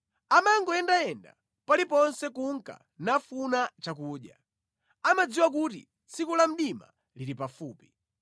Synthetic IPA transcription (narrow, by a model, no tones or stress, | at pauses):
amaŋɡɔɛndaɛnda̰ | palipɔnsɛkuŋka̰ | nafunat͡ʃakuːɗja̰ | amad͡ziwak̬utḭ | t͡sikulam̩ɗima̰ | liɾipafuːpi̥